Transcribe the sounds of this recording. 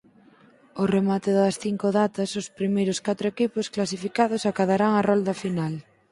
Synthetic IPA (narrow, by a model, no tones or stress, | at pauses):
ʊremat̪ɪðɐsθiŋkʊðat̪ɐsʊspɾimejɾʊskat̪ɾʊekipʊsklas̬ifikað̞ʊsakaðaɾaŋarɔld̪ɐfinal